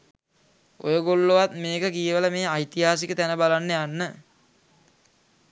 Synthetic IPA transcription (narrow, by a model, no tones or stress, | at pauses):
o̰jəɡolːoʋat̪meːkəkijəʋələmeːajt̪iɦaːsikət̪ænəbalanːəjanːə